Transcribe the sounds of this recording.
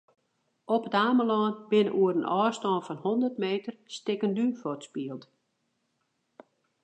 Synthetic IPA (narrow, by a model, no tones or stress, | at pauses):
ɔpətaːməlɔːnbɪnəʔuəɾənʔɔːstɔːnfɔnhondərtmeːtərstɪkəndyfɔtspiəlˠt